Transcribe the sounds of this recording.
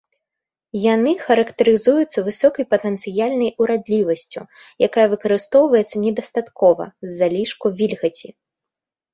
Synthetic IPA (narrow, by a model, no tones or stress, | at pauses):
janɨxɐɾɐkt̪ɐɾɨzujut̪sːɐvɨsɔkɐjpɐt̪ɛnt̪sɨjalʲnɐjuɾad̪lʲivɐsʲt͡sʲṵ | jakajɐvɨkɐɾɨst̪ɔwvɐjɛt̪sɐnʲɛd̪ɐst̪at̪kɔvɐ̰zːalʲiʂkuvʲilʲɣɐt͡sʲi